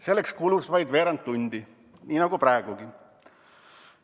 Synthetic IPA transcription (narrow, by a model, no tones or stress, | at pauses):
se̞lːekskulusvɑjd̪ve̞ːɾɑnt̪ːunʲd̪̥i | nʲiːnɑɡupɾɑeɡ̥uɡ̥i